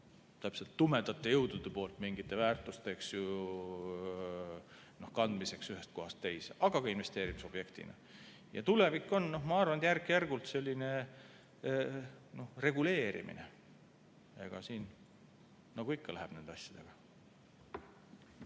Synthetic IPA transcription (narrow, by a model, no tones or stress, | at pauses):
t̪æpse̞lt̪ːumed̪ɑt̪ːˑejɤwd̪̥ud̪̥epo̞ːlt̪ˑmiŋɡ̥it̪ːˑe̞væːrt̪ˑust̪e̞ksju | no̞hkɑnd̪mise̞ksyɦe̞st̪̚ko̞ɦɑst̪ːejseʔɑɡ̥ɑkɡɑinve̞st̪e̞ːɾimiso̞bje̞kt̪ḭnɑ̰ | jɑ̰t̪ule̞vikːˑo̞nno̞ɦmɑɑrvɑnd̪jærkːˑjærɡ̥ult̪se̞lʲːine̞ | no̞hre̞ɡule̞ːɾḭmʔḭnḛ | ḛɡ̥ɑsiːn | nɑɡ̥uikːɑlæɦeb̥ne̞nd̪eɑsʲjɑd̪̥e̞ɡ̥ɑ